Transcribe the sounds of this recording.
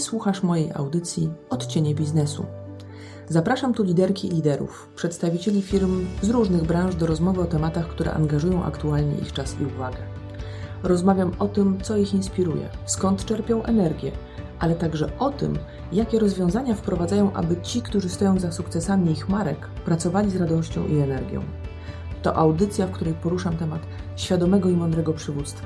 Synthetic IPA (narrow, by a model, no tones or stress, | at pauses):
swuxaʂmɔjejʔa̰wd̪ɘt̪sʲjiɔt̪t͡ɕeɲɛbʲiznɛsṵ | zapɾaʂamt̪ulʲid̪ɛɾkʲiːlʲid̪ɛɾṵf | pʂɛt̪st̪avʲit͡ɕelʲifʲiɾmzɾuʐnɘɣbɾãʐd̪ɔɾɔzmɔvɘɔt̪ɛmat̪axkt̪uɾɛ̰ʔa̰ŋɡaʐujɔ̃w̃ʔa̰kt̪ualɲɛ̰ʔḭxt͡ʂasiuvaɡɛ | ɾɔzmavʲjamɔt̪ɘmt̪sɔixinspʲiɾujɛ̰skɔnt̪t͡ʂɛɾpʲjɔ̃w̃ʔɛnɛɾɡʲjɛ | ʔalɛt̪aɡʐɛʔɔt̪ɘ̰m | jakʲɛɾɔzvʲjɔ̃w̃zaɲafpɾɔvad̪zajɔ̃w̃ʔa̰bɘt͡ɕikt̪uʐɘst̪ɔjɔ̃w̃zasukt̪sɛsamʲiixmaɾɛkpɾat̪sɔvalʲizɾad̪ɔɕt͡ɕɔ̰̃w̃ʔiɛnɛɾɡʲjɔ̰̃w̃ | t̪ɔ̰ʔawd̪ɘt̪sʲjafkt̪uɾɛjpɔɾuʂamt̪ɛmat̪ɕfʲjad̪ɔmɛɡɔimɔ̃nd̪ɾɛɡɔpʂɘvut̪st̪fa